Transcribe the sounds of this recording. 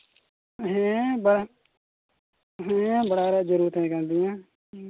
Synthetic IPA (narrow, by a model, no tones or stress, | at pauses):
ɦɛ̃ːbəɽa | ɦɛ̃ːbəɽaːɾaːd͡ʒəɾuːɾət̪ẽːkəɾnd̪ɪjãː